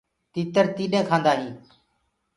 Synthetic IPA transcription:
t̪iːt̪əɾt̪iːɗẽːkʰãːnd̪aːɦĩː

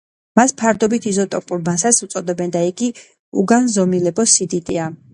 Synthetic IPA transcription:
maspʰaɾd̪ɔbit̪ʰizɔt̪ʼɔpʼuɾmansasut̪sʼɔd̪ɛbɛnd̪aɛɡi | ṵɡanzɔmilɛbɔsid̪it̪ʼia

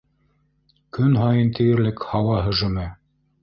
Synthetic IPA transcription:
kɵnɦɑjɤnt̪ʰɘ̆ɡɘ̆ɾlɘkhɑwɑɦɵ̆ʒɵ̆mæ

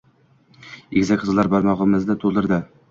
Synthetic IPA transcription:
ekʲzakʲqʰɨzlˠaɾbɒɾmɒʁəmɪzd̪ɪt̪ʰolˠɪɾd̪ɪ

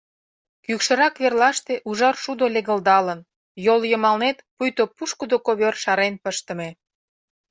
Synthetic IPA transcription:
kykʃə̆ɾɑkβerlɑʃt̪eʔuʒɑrʃud̪oleɣəld̪ɑlən | joljəmɑlnet̪pujt̪opuʃkəd̪okoβørʃɑɾenpəʃt̪ə̆me

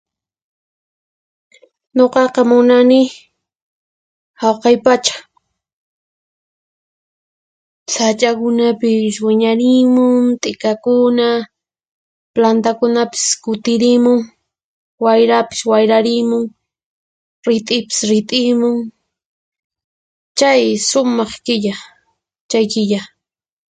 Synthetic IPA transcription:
ɲoqɑqɑmʊnanɪ | hawqɑjpat͡ʃḁ | sat͡ʃʼakʊnapɪswɪɲaɾɪmʊŋt̪ʼɪkakʊna | plant̪akʊnapɪ̥skʊt̪ɪɾɪmʊŋ | wajɾapɪ̥swajɾaɾɪmʊŋ | ɾɪt̪ʼɪpɪ̥sɾɪt̪ʼɪmʊŋ | t͡ʃajsʊmɑχkɪʎa | t͡ʃajkɪʎa

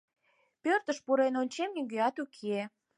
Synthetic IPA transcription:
pørt̪əʃpuɾenonʲt͡ɕemnʲiɡeɑt̪ukʰe

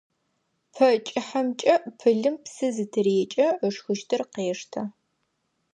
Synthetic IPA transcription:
pʰɐt͡ʃʼɪħɐmt͡ʃʼɐʔpʰɨɮɨmpsɨzɨtʰɨreːt͡ʃʼɐəʂxɨʃtʰɨrqeːʂtʰɐ

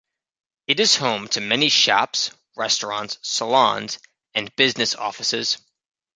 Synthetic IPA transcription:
ɨɾɨz̥hõʊ̃mtʰɨmɛniʃɑ̰ps | ɹɛstɹ̥ɑ̰̃ntsːəlɑ̰̃nz̥ | ɨ̃nb̥ɪznɨsɔ̰fəsɪz̥

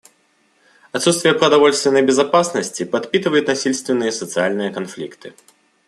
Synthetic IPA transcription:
at̪sut̪st̪vʲɪjɐpɾɐd̪avɔlʲst̪vʲɛnɐjbʲɛzapasnɐsʲt͡sʲipat̪pʲit̪ɨvɐjut̪ʲnasʲilʲst̪vʲɛnɨjɐsɐt̪sɨjalʲnɨjɐkanflʲḭkt̪ɨ

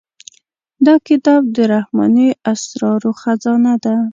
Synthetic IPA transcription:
d̪ɑkɪt̪ɑb̚d̪əɾahmɑ̰niʔasɾɑɾoxazɑnad̪a

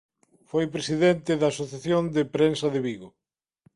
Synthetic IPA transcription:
fojpɾesiðent̪ɪðɐːsoθjaθjond̪epɾensɐðeβiɣo

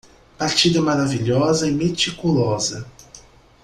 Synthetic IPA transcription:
paɾt͡ʃid̪ɐmaɾaviʎɔzɐimet͡ʃikulɔzɐ

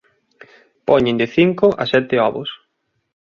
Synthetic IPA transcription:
pɔɲɪnd̪ɪθiŋkʊʔa̰sɛt̪ɪɔβʊ̰s

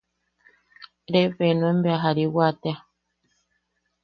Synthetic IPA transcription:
ɾeɸenoembeaɦaɾiwat̪ea

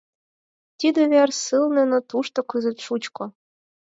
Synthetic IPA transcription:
t̪ʲid̪ĕβærsɨlnĕnot̪uʃt̪ŏkɯzĕt̪ʃut͡ɕkŏ

